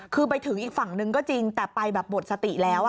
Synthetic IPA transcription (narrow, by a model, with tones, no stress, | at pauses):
kʰɯː˧p̬a˧jt̪ʰɯ˩˦ŋʔiː˨˩k̚fa˨˩˦ŋnɯ˧ŋkɔː˥˩t͡ɕi˧ŋt̪ɛː˨˩pa˧jbɛː˨˩p̚bo˨˩t̪̚sa˧t̪i˨˩lɛː˦˥wʔa˩